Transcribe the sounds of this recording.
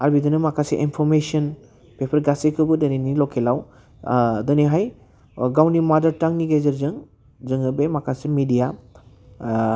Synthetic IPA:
aɾbidɯnɯmakʰaseʔinpʰɔɾmesiɔn | pepʰɐɾɡasekʰɯbɯdɐnenilɔkʰelaw | dɐniɦaj | ɡawnimadɐɾtaŋniɡezɐɾzɯŋ | zɯŋɯbemakʰasemidija

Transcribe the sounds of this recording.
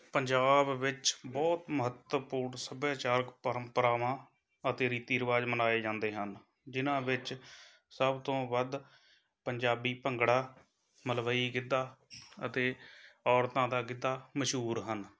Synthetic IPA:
pəɲd͡ʒaːbːɪt͡ʃbɔːt̪məɦət̪wəpuːɾnsəbjaːt͡ʃaːɾəkpəɾəmpəɾaːʋãː | ət̪eːɾiːt̪iːəɾəʋaːd͡ʒmənaːeːd͡ʒãːnd̪eːɦən | d͡ʒɪnãːʋɪt͡ʃ | səbt̪õːbəd̪ | pəɲd͡ʒaːbiːpəŋɡɽaː | məlbəiːkɪd̪ːaːə̰t̪eːɔːɾt̪ãːd̪aːkɪd̪ːaːməʃɦuːɾɦən

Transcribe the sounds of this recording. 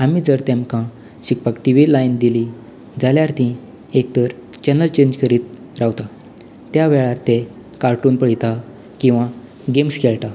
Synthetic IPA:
amid͡zəɾt̪emkã | ɕik̚pakʈiʋilaind̪ili | d͡zaljaɾt̪ĩ | ek̚t̪əɾt͡ɕɛnəlt͡ɕeɲd͡ʑkʰəɾiːt̪̚ | ɾawt̪a | t̪jaʋeɭaɾt̪e | kaɾʈuːnpəɽit̪a | kĩw̃ʋa | ɡemskʰeɭt̪a

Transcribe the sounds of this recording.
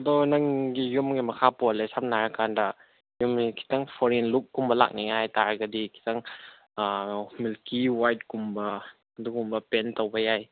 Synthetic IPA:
ɐd̪onaŋɡijumɡamɐkʰapɔlesap̚naɾkanda | jumikʰi̥taŋpʰɔɾinlukːumbɐla̰k̚niŋajtaɾɡadikʰi̥taŋ | milkiwajt̚kumbɐ | dukumbɐpentɔwbɐjaj

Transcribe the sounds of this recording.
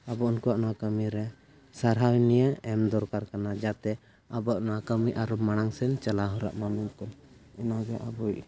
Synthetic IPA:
abɔunkuaʔnakəmiɾɛ | saɾɦawnijəɛmd̪ɔɾkaɾkanad͡ʒat̪ɛ | abɔaʔnakəmiʔaɾɔmaɽ̃aŋsɛnt͡ʃalaɦɔɾa̰ʔmamuɲkɔn | ɛnaɡɛʔabuj

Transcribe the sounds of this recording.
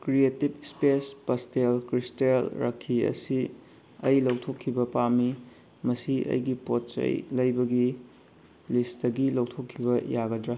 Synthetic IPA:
kɾietib̚spespɐstelkɾistelɾɐ̰kʰːiɐ̰si | ɐ̰jlɐwtʰokʰːibɐpami | mɐsiɐ̰jɡipot̚t͡ʃɐ̰jlɐjbɐɡi | lisdɐɡilɐwtʰokʰːibɐjaɡɐdɾa

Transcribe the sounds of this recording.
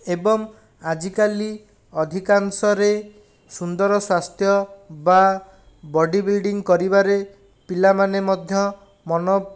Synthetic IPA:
ebɔŋ | ad͡ʒikali | ɔd̪ʱikaŋsɔɾe | sund̪ɔɾɔswast̪jɔba | bɔɖibilɖiŋkɔɾibaɾe | pilamanemɔd̪ʱjɔ | mɔnɔ

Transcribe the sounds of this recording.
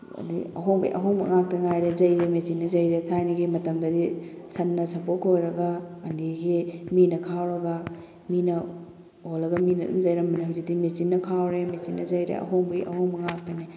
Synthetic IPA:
ɐ̰dḭɐ̰ɦoŋbɐḭʔɐ̰ɦoŋbɐ̰ŋak̚tɐŋajɾezɐjɾemet͡ʃinːɐzɐjɾetʰajniɡimɐtɐmdɐdi | sɐnːɐsɐpokʰojɾɐɡɐːndiɡiminɐkʰawɾɐɡɐ | minɐ | olːɐɡɐminɐ̰dṵzɐjɾɐmɐnɐhuzidimet͡ʃinːɐkʰawɾemet͡ʃinːɐzɐjɾḛɐ̰ɦoŋbɐɡḭʔɐ̰hoŋbɐŋak̚tɐni

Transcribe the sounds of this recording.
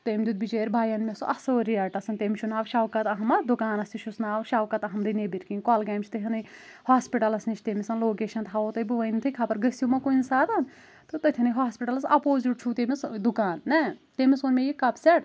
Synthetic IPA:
t̪emʲd̪ud̪bid͡ʒeːɾbʱaːjɐnmʲɐsuʔɐsoːɾiɐʈɐsɐnt̪eːmʲʃʰunaːʋʃaːʋkɐt̪ɐɦɐmɐd̪ukaːnɐsuʃusnaːʋʃaːʋkɐt̪ɐɦɐmɾinebiɾkiŋʲkɔːlɡaːmt͡ʃʰt̪ɐt̪ʰʲɐnɐjhaːspiʈɐlɐsniʃʰt̪eːmisɐnloːkeːʃɐnt̪ɦɐʋot̪ɐjbuʋɐnt̪ʰɨjkʰapɐɾɡɐsʲjumɐkuinsaːt̪ɐn | t̪ɨt̪ɐt̪ʲʰɐnɐjɦaːspiʈɐlɐsɐ̰poːziʈ̚t͡ʃʰut̪emʲisd̪ukaːnːɐt̪emʲisonmʲejikːɐpsʲɐʈ

